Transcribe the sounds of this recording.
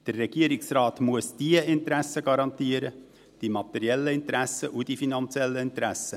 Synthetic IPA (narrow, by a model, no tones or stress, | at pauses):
d̥ərːɛɡ̥iəɾɪksraːtmuəsd̥iəɪntɾæsːəɡɑɾɑnt̪iəɾə | d̥imɑt̪ɛɾjɛlːəɪnt̪ɾæsəʔud̥ifinɑnt͡sjɛlːəɪnt̪ɾæsə